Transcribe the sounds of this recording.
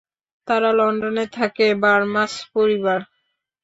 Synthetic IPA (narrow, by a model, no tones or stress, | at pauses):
t̪aɾalɔɳɖonet̪ʰakebaɾmaspoɾibaɾ